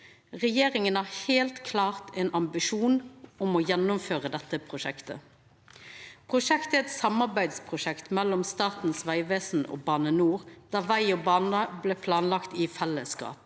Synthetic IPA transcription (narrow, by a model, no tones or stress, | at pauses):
ʁɛjeːʁɪŋənæheːlt̪kʰlɑːʁt̪ʰɛnɑmbɪʃuːnɔmɔːjɛnːʊmføːʁəd̪ɛt̪ːəpʰʁʊʃɛkt̪ə̰ | pʰʁʊʂɛkt̪əɛt̪sɑmːɑʁbæɪd̪spʰʁʊʃɛkt̪mɛlːɔmst̪ɑːt̪n̩sʋæɪʋeːsn̩o̰ːbɑːnənuːʁd̪̥ɑːʋæɪoːbɑːnəblɛːpʰlɑːnlɑkt̪ɪfɛlːəskɑ̰ːp